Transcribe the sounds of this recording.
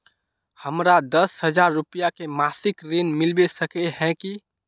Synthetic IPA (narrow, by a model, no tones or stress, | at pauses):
həmɾad̪əshəd͡ʒaːɾːʊpijakemaːsɪkɾenmɪlbesəkeɦɛ̃ki